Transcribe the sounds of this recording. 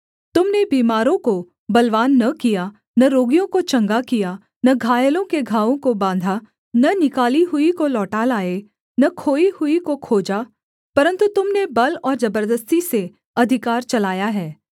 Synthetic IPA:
t̪ʊmnebiːmaːɾõko | bɐlʋaːnːɐkija | nɐɾoːɡijõkot͡ʃɐ̃ŋɡakija | nɐɡʱaːjəlõkeɡʱaːʋõkobãːnd̪ʱa | nɐnɪkaːliɦʊikolɔːʈalaːe | nɐkʰoːihʊikokʰoːd͡ʒa | pɐɾə̃nt̪ut̪ʊmnebɐlɔːɾzɐbəɾd̪əst̪ise | ɐd̪ʱɪkaːɾt͡ʃɐlaːjaɦɛː

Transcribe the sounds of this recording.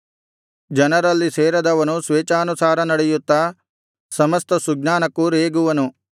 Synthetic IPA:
d͡ʒɐnɐɾɐlːiseːɾɐd̪ɐʋɐnusʋeːt͡ʃaːnusaːɾɐnɐɽɛjut̪ːɐ | sɐmɐst̪ɐsuɡnaːnɐkːuɾeːɡuʋɐnu

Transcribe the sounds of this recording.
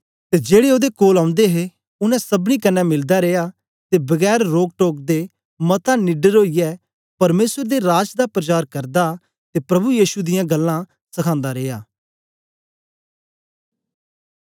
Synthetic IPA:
t̪ed͡ʒeːɽeoːd̪ekoːlãːʊ̃nd̪eɦe | ʊnɛ̃sɐbɽ̃ikɐnːɛmɪld̪aɾeːjaː | t̪ebɐɡɛːɾɾoːɡ̚ʈoːk̚d̪e | mɐt̪ãnɪɖəɾoːijɛ | pɐɾmeːsəɾd̪eɾaːd͡ʒd̪apɾət͡ʃaːɾkɐɾd̪a | t̪eːpɾɐbujiːʃud̪ɪjãɡɐlːã | sɐkʰãːnd̪aɾeːjaː

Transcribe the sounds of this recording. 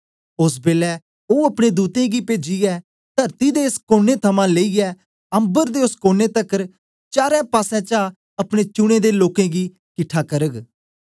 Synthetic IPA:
ʊsbeːlɛː | oːəpɽed̪uːt̪ẽːɡipeːd͡ʒiɛː | t̪əɾt̪id̪eɪskoːneːt̪ʰəmãːleːiɛː | ə̃mbəɾd̪eːʊskoːneːt̪əkəɾ | t͡ʃaːɾɛ̃ːpaːsɛ̃ːt͡ʃa | ɐpɽ̃et͡ʃʊɽ̃ẽd̪eːloːkẽɡiː | kɪʈʰːaːkəɾəɡ

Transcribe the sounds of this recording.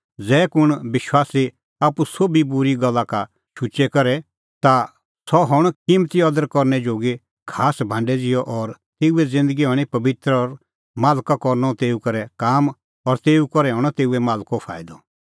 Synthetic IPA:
d͡zɛːkʊɽ̃bɪʃwaːsi | aːpusobʱibʊɾiɡɐlːaka | ʃʊt͡ʃɛkɐɾɛ | t̪a | sɔɦɔɽ̃kimt̪iɔd̪əɾkɔɾnɛd͡ʒoːɡe | kʰaːsbʱãːɳɖɛd͡zɪjɔʔɔɾ | t̪eːuɛd͡zɪ̃nd̪əɡiɦɔɽ̃ipɐbɪt̪ɾɔɾ | maːlkakɔɾnɔt̪eːukɐɾɛkaːm | ɔɾt̪eːukɔɾɛɦɔɽ̃ɔt̪eːuɛmaːlkopʰa̰ːɪd̪ɔ

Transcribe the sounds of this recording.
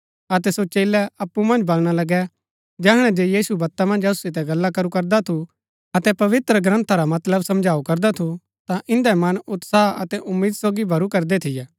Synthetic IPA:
ɐt̪ɛsot͡ʃeːlɛɐpːumɐ̃nd͡ʒbɐlɽ̃alɐɡɛ | d͡ʒɛːɦɽ̃ɛd͡ʒeːjiːsubɐt̪ːamɐ̃nd͡ʒɐsu̥sɪt̪̬ɛɡɐlːakɐɾukɐɾd̪at̪ʰu | ɐt̪ɛpɐʋɪt̪ɾəɡɾɐ̃nt̪ʰaɾamɐt̪ləbsɐ̃md͡ʒʱaːukɐɾd̪at̪ʰu | t̪ãʔɪ̃nd̪ɛmɐnʊt̪saːɐt̪ɛʔʊmːiːd̪soːɡibʱɐɾukɐɾd̪ɛt̪ʰɪjɛː

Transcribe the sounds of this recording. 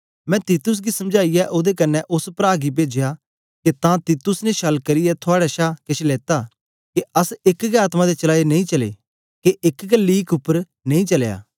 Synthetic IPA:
mɛ̃ːt̪iːt̪ʊs̬ɡisɐ̃md͡ʒaːijɛʔoːd̪ekɐnːɛʔʊspɾaːɡibeːd͡ʒeja | ket̪ãt̪iːt̪ʊsneʃɐlkɐɾɪjɛt̪ʰʊaːɽɛʃaːkɪʃʰleːt̪aː | keɐsɪkɡeaːt̪mãd̪et͡ʃɐlaːenɐ̃ĩt͡ʃɐlḛː | keʔɪkɡəlːiːkʊpːəɾ | nɐ̃ĩt͡ʃɐlja̰ː

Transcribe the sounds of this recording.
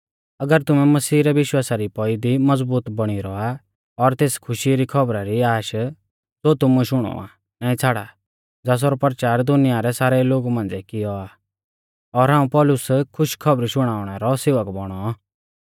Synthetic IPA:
ɐɡəɾt̪ʊmɛmɐsiːɾɛʋɪʃwaːsaɾipɔid̪imɐd͡zbuːt̪bɐɽ̃iɾɔa | ɔɾt̪eːskʰʊʃiɾikʰɐbɾaɾiaːʃ | sot̪ʊmuɛʃʊɽ̃ɔ̰a̰ | naːĩt͡sʰaːɽa | d͡zaːs̬ɔɾɔpɾt͡ʃaːɾd̪ʊnɪjaɾɛsaːɾɛloːɡumãːnd͡zɛkɪjɔaː | ɔɾɦãːũpɔːlʊskʰʊʃkʰɐbɾiʃʊɽ̃aːʊɽ̃ɛɾɔseːʋəkbɔɽ̃ɔ

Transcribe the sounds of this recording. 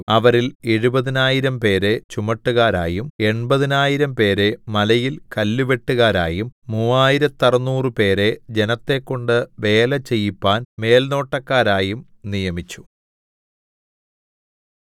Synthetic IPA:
ɐʋɐɾileɻubɐðinaːjiɾɐmpe̞ːɾe̞t͡ɕumɐʈːuɣaːɾa̰ːjume̞ɳbɐðinaːjiɾɐmpe̞ːɾe̞mɐlɐjilkɐlːuʋe̞ʈːuɣaːɾaːjumːuːaːjiɾɐt̪ːɐrɐnːuːrɨpe̞ːɾe̞d͡ʑe̞nɐt̪ːe̞kːo̞ɳɖɨʋe̞ːlɐt͡ɕːe̞jːipːaːnme̞ːlno̞ːʈːɐkːaːɾaːjum | nijɐmit͡ɕːu̥

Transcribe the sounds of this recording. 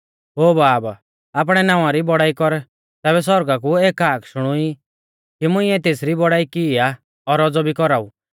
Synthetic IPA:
ɦoːbaːb | aːp̬ɽ̃ɛnãːʋãɾibɔɽaːikɔɾ | t̪ɛːbɛs̬ɔɾɡak̬ueːkaːkʃʊɽ̃ui | kimʊ̃ɪ̃ɛt̪eːsɾibɔɽaːikɪa | ɔɾɔd͡zɔbʱikɔɾau

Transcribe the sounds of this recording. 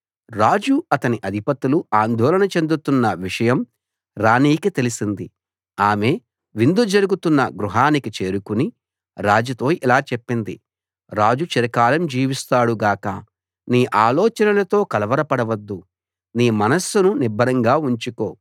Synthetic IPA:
ɾaːd͡ʒuɐt̪ɐniʔɐd̪ʱipɐt̪ːuluaːnd̪ʱɔːlɐnɐt͡ʃe̞nd̪ut̪unːɐʋiʂɐjɐm | ɾaːniːkit̪e̞lisind̪i | aːme̞ː | ʋind̪ud͡ʒɐɾuɡut̪unːɐɡɾuɦaːnikit͡ʃe̞ːɾukuni | ɾaːd͡ʒut̪o̞ːʔilaːt͡ʃepːind̪ḭ | ɾaːd͡ʒut͡ʃɐɾɐkaːlɐmd͡ʒiːʋist̪aːɽuɡaːkɐ̰ | niːʔaːlɔːt͡ʃɐnɐlɐt̪o̞ːkɐlɐʋɐɾɐpɐɽɐʋɐd̪ːu | niːmɐnɐsːununibʱɐɾɐŋɡaːuɲt͡ʃuko̞ː

